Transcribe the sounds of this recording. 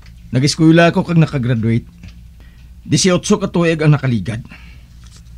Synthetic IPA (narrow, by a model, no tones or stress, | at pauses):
nɐɡɪskwɛːlaɐkokaɡ̚nɐkaɡɾad̪wɛjt̪̚ | d̪ɪsɪʔʊt̪sokat̪uːʔɪɡɐŋnɐkaliːɡad̪̚